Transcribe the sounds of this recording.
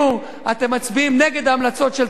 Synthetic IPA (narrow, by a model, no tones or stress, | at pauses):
u | at̪emːat͡sbiimneɡe̞d̪aːmlat͡so̞tʃel